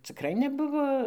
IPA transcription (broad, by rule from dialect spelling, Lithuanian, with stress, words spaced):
t͡sʲɪˈkrɐɪ nʲɛˈbʊʋoː